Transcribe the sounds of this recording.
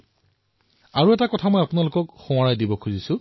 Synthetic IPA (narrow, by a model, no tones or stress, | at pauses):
aɹuɛtakɔtʰamɔjapʊnalʊkɔkxʊ̃w̃aɹajdibɔkʰuzisʊ̃